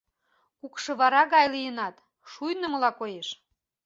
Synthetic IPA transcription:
kukʃɤ̆βɑɾɑɣɑjlijənɑt̪ | ʃujnə̆məlɑkojeʃ

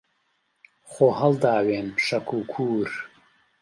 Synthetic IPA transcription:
xoːhɐld̪aːweːnbʃɐkʰuːkʰuːɾ

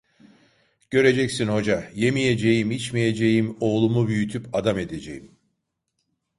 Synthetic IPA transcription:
ɟ̥ø̞ɾe̞d͡ʒɛcsinho̞d͡ʒaje̞mije̞d͡ʒe̞jimit͡ʃmije̞d͡ʒe̞jimo̞ːlˠumubyjyt̪ʰypad̪ame̞d̪e̞d͡ʒḛjim

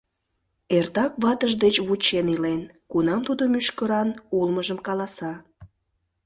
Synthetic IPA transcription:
ert̪ɑkβɑt̪əʒd̪et͡ɕβut͡ɕenilen | kunɑmt̪ud̪omyʃkəɾɑnulməʒəmkɑlɑsɑ

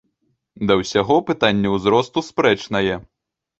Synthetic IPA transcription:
d̪ɐwsʲaɣɔpɨt̪anʲːɛwzɾɔst̪uspɾɛt͡ʂnɐjɛ

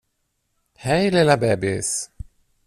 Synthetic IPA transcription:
hɛjlelabɛbɪs

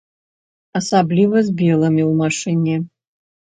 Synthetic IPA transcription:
ɐsablʲivɐzʲbʲɛlˠɐmʲiwmaʂɨnʲɛ

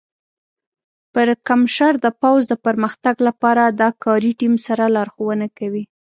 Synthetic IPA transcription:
pəɾkamʃaɾd̪əpawzd̪əpəɾməxt̪aɡlapɑɾad̪ɑkɑɾiʈimsaɾalɑɾxowənakawi

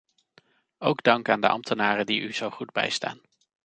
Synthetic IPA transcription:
owɡdɑŋkaːndəʔɑ̰mtənaːrədiʔyz̥owχudbɛ̰jsta̰ːn

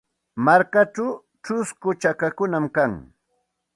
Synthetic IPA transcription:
maɾkaʈ͡ʂaw | t͡ʃʊskʊt͡ʃakakʊnamkaŋ

